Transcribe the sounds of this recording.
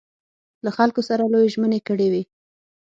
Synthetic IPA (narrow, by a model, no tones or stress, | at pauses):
laxalkosaɾalojeʒmənekəɽewe